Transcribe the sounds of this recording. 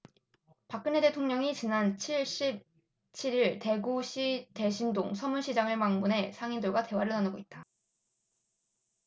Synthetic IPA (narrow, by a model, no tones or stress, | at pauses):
pak͈̚ɯne̞de̞tʰoŋɲʌŋit͡ɕinant͡ɕʰiɭɕ͈ip̚ | t͡ɕʰiɾiɭte̞ɡuɕʰite̞ɕʰindoŋsʰʌmuɭɕʰid͡ʑaŋɯɭmaŋmunɦe̞sʰaŋindɯɭɡwate̞waɾɯɭnanɯɡoit̚t͈ḁ